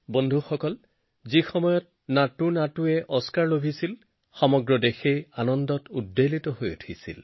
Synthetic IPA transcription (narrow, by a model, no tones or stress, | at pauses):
bondʱuxɔkɔl | zixɔmɔjɔt̚ | natunatuɛʔɔskaɹlobʱisil | xɔmɔɡɹɔdexejanɔndɔtudːelitɔɦojṵtʰisḭl